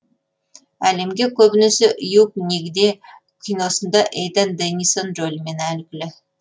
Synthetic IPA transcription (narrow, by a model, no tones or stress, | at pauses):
æle̞mɡʲe̞kʲʰɵbɪnɪsɪʔʊjuk̚nʲeɡʲɪd̪e̞ | kʲʰino̞sənd̪ɑʔejd̪ənd̪enʲisonʒolʲme̞nælkʲɪlɪ